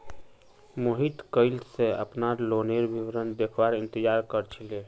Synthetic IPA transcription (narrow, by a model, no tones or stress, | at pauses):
moɦit̪kəɪlseə̰pnaɾloneɾbiwɾənd̪ekʰbaɾɪ̃nt̪əd͡ʒaɾkəɾt͡ʃʰile